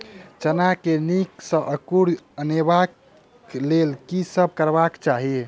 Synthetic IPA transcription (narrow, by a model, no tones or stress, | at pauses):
t͡ʃənakeniksə̃ʔəkuɽənebak | lelkisəb̚ʱkəɾbakt͡ʃaɦi